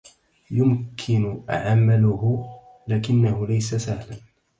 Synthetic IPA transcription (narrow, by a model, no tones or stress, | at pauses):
jʊmkʰɪnʊʔa̰ʕamːalʊhʊ | laːkɪnːahʊlajsasahlan